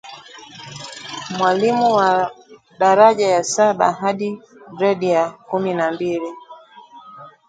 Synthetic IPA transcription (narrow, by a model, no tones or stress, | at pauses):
mwalimuwa | ɗaɾaʄajasaɓa̰ɦaɗiɾɛɗijakuminambili